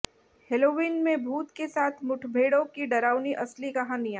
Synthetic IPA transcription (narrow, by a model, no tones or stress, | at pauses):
heloːʋiːnmẽbʱuːt̪kesaːt̪ʰmʊʈʰbʱeːɽõkiɖɐɾaːʊniʔɐslikɐɦãnijaː